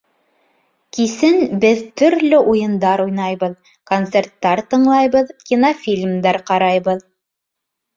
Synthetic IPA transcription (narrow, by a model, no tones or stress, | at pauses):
kisɘnbɘðt̪ɵ̆ɾlɵʔujɤ̆nd̪ɑɾujnɑjβɤð | kont̪sert̪ːɑɾt̪ɤ̆ɴlˠɑjβɤðkʲinofʲilʲmd̪ɑɾqɑɾɑjβɤð